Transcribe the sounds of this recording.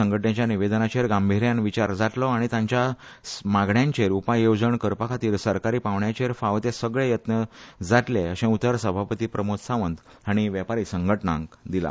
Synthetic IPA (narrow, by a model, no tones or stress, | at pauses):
əŋɡʱəʈnjat͡ɕjaniʋed̪ənat͡ɕeɾɡambʱiɾjãnʋit͡ɕaɾd͡zaʈlɔaɽ̃it̪ãɲt͡ɕja | maɡɳjãɲt͡ɕeɾupajowd͡zəɳkəɾpakʰat̪iːlsəɾkaɾiːpaʋɳjat͡ɕeɾfaʋt̪esəɡɭejət̪nəd͡zaʈleəɕẽut̪ːəɾsəbʱapət̪iːpɾəmot̪saʋənd̪ | aɽ̃iʋjɛpaɾiːsəŋɡʱəʈnã̰ŋɡd̪ila̰